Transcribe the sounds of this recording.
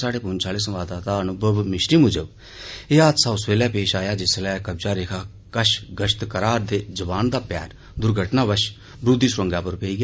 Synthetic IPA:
saːɽeːpʊnt͡ʃʰaːleːsəmʋaːd̪aːt̪aːənũːbəbmɪʃɾiːmʊd͡ʒəb | eːaːt̪səʊsʋeːlɛːpeːʃaːjaːd͡ʒɪslɛːkəbd͡ʒaːɾeːkʰaː | kəʃɡəʃt̪kəɾaːɾd̪eːzəbaːnd̪aːpɛːɾ | d̪ʊɾɡʱəʈnaːʋəʃ | bɾud̪iːsɾəŋɡaːpəɾpeiːɡaː

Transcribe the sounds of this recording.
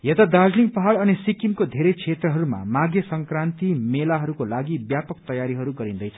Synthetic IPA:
jet̪ad̪ad͡zliŋpʌɦaɽʌnisikimkod̪ʱeɾʌt͡sʰet̪rʌɦʌɾuma̰maɡjʌsʌŋkrant̪imelaɦʌɾukolaɡibjapʌkt̪ʌjaɾiɦʌɾuɡʌɾĩnd̪ʌjt͡sʰʌ̥

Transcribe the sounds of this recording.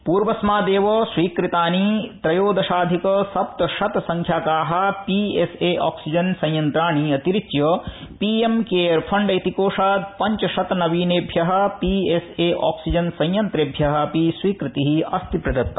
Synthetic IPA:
puːɾʋɐsmaːd̪eːʋɐsʋiːkɾit̪aːnit̪ɾɐjoːd̪ɐʃaːd̪ʱikɐsɐp̚t̪ɐʃɐt̪sɐŋkʰjaːkaːɦɐ̆pieseːʔa̰ːksid͡ʒɐnsɐ̃jjɐnt̪ɾaːɳiɐt̪iɾit͡ʃjɐpiemkeːɐɾpʰɐɳɖɐjt̪ikoːʂaːd̪̚pɐɲt͡ʃɐʃɐt̪nɐʋiːneːbʱjɐɦɐ̆pieseːʔa̰ːksid͡ʒɐnsɐ̃jjɐnt̪ɾeːbʱjɐɦɐ̆pisʋiːkɾit̪iɦiɐst̪ʰipɾɐd̪ɐt̪ːɐ

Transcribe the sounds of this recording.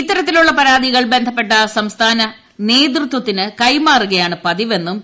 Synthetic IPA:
it̪ːɐɾɐt̪̬ːiluɭːɐpɐɾaːd̪iɣɐɭbe̞nd̪ʱɐp̬ːe̞ʈːɐsɐmst̪ʰaːnɐ | ne̞ːd̪̬rɨt̪wɐt̪ːinɨkɐjmaːruɣɐjaːɳɨpɐðiʋe̞nːum

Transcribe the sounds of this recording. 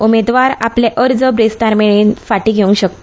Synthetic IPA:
umed̪ʋaɾapleʔəɾd͡zəbɾist̪aɾmeɭiːnfaʈiːɡʱeũŋɡɕək̚t̪o̥

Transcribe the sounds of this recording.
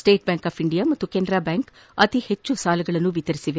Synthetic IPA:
sʈe̞ːʈ̚baːŋkaːpʰiɳɖijaːmɐt̪ːukeːnd̪ɾaːbaːŋk | ɐt̪ihet͡ʃːusaːlɐɡɐɭɐnːuʋit̪ɐɾisiʋe

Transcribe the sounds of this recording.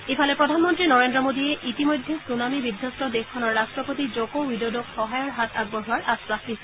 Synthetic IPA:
efʰalɛpɹɔdʱanmɔntɹinɔɹendɹɔmodiɛʔitimojdʱːɛsunamibidʱjɔstɔdexkʰːɔnɔɹːastɹɔpotizokowwidodɔkxɔɦajɔɹɦatʰaɡ̚bɔɦuwaɹʔaspasdis

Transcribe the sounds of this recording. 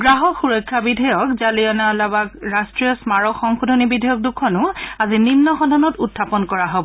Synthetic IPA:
ɡɹaɦɔxuɹɔjkʰːabidʱɔjɔkzaliɔnalabakɹastɹiɔsmaɹɔxɔŋxodʱɔnibidʱɔjɔk̚dukʰɔnʊazininːɔxɔdʱɔnɔtutʰːapɔnkɔɹaɦobɔ

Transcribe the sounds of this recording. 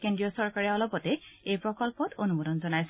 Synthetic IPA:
kendɹiɔsɔɹkaɹɛɔlɔpɔtɛejpɹɔkɔlpɔtonumodɔnzɔnajs

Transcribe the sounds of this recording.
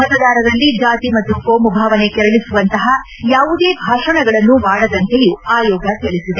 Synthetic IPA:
mɐt̪ɐd̪aːɾɐd̪ɐlːid͡ʒaːt̪imɐt̪ːukoːmubʱaːʋɐne̞kɛɾɐɭisuʋɐnt̪ɐɦɐ | jaːʋud̪e̞ːbʱaːʂɐɳɐɡɐɭɐnːuʋaːɽɐd̪ɐnt̪e̞juaːjɔːɡɐt̪eɭisid̪e̞

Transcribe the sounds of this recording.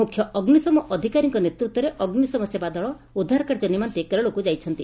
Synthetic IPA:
mukʰjɔɔɡnisɔmɔʔɔd̪ʱikaɾiŋkɔnet̪ɾut̪wɔɾeʔɔɡnisɔmɔsebad̪ɔɭɔ | ud̪ʱːaɾkaɾd͡ʒɔnimant̪ekelɔɭokud͡ʒajt͡ʃʰɔnt̪i

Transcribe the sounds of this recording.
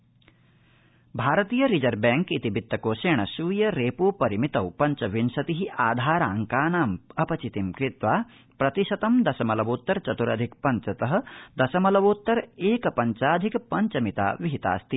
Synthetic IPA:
bʱaːɾɐt̪iːjɐɾid͡ʒɐɾbɛːŋkit̪ibit̪ːɐkoːʃeːɳɐsuːjɐɾeːpuːpɐɾimit̪ɐwpɐɲt͡ʃɐʋinsɐt̪iɦiʔaːd̪ʱaːɾaːŋkaːnaːmɐpɐt͡ʃit̪imkɾit̪ʋaː | pɾɐt̪iʃɐt̪ɐmd̪ɐsɐmɐlɐʋoːt̪ːɐɾt͡ʃɐt̪uɾɐ̰d̪ʱikpɐɲt͡ʃɐt̪ɐɦɐ̆d̪ɐsɐmɐlɐʋoːt̪ːɐɾeːkɐpɐɲt͡ʃaːd̪ʱikpɐɲt͡ʃɐmit̪a̰ːʋiɦit̪a̰ːst̪i

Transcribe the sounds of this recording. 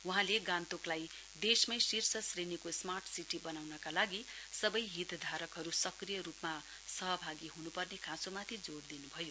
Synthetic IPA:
uɦãleɡãnt̪oklaj | d̪esmʌjsirsʌsrenikosmarʈʰsiʈibʌnawnʌkalaɡisʌbʌjɦit̪d̪ʱaɾʌkɦʌɾusʌkrijʌɾupma | sʌɦʌbʱaɡiɦunupʌrnekʰãsomat̪ʰid͡zoɽd̪inubʱʌjo

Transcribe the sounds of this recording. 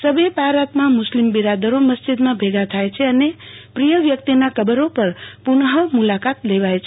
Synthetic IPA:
səbepaɾat̪mãmʊslimbiɾad̪əɾoməsd͡ʒid̪mãbʱeɡʱat̪ʰajt͡ʃʰeənepɾijəʋjəkt̪inakəbəɾopəɾpuɳɦəmulakat̪leʋajt͡ʃʰe

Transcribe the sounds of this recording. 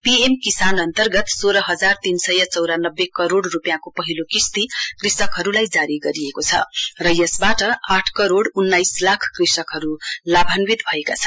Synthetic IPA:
piemkisanʌnt̪ʌrɡʌt̪soɾʌɦʌd͡zart̪insʌjʌt͡sʌwɾanʌbːekʌɾoɽrupjãkopʌɦilokist̪ikrisʌkɦʌɾulajd͡zaɾiɡʌɾiekot͡sʰʌ̰rʌjʌsbaʈʌaʈʰkʌɾoɽunːajslakʰkrisʌkɦʌɾulabʱanwit̪bʱʌeka̰t͡sʰʌ̥n

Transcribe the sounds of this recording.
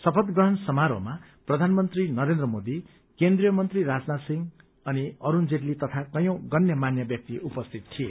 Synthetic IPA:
sʌpʰʌt̪ɡrʌɦʌnsʌmaɾo̰ma | prʌd̪ʱanmʌnt̪rinʌɾend̪rʌmod̪i | kend̪rijʌmʌnt̪riɾad͡znasiŋɡ | ʌniʌɾund͡zeʈlit̪ʌt̪ʰakʌjõw̃ɡʌnjʌmanjʌbjʌk̚t̪iʔupʌst̪ʰit̪t̪ʰiḛ

